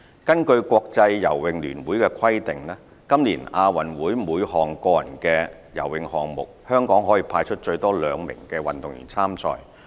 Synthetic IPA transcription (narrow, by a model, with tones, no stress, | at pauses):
kɐ˥nkɵ˧ɥkʷɔː˧k̚t͡sɐ˧jːɐ̰˨˩wwɪ˨ŋlyː˨˩nwuː˨˥jkɛː˧kʰɐ˥jt̪ɪ˨ŋlɛː˥ | kɐ˥mliː˨˩naː˧wɐ˨˩nwuː˨˥jmuː˨˧jhɔː˨ŋkɔː˧jɐ̰˨˩nkɛː˧ | jɐ̰˨˩wwɪ˨ŋhɔː˨˩ŋmʊ̰˨k̚hœː˥ŋkɔː˨˥ŋɦɔː˨˥jiː˨˧pʰaː˧jt͡ʃʰɵ˥t̚t͡ʃɵ˧ɥt̪ɔː˥lœː˨˧ŋmɪ̰˨˩ŋkɛː˧wɐ˨nt̪ʊ˨ŋjy̰˨˩nt͡sʰaː˥mt͡sʰɔ̰ː˨˩j